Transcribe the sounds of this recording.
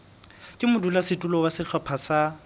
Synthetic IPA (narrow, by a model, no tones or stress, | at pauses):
kʼɪmʊdulasɪtʼulɔwasɪɬʰɔpʰasa